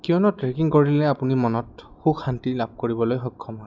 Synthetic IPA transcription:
kijɔnɔtɹekiŋkoɹilɛapunimɔnɔt | xukantilab̚koɹibɔlojxɔkʰːɔmɔ

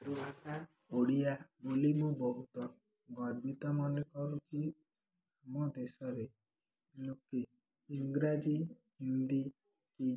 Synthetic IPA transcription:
ɾuasa | oɽiabolimubɔɦut̪ɔ | ɡɔɾbit̪amɔnekɔɾut͡ʃʰi | amɔd̪esɔɾe | lukiː | ŋɡɾad͡ʒi | ɦind̪i | ki

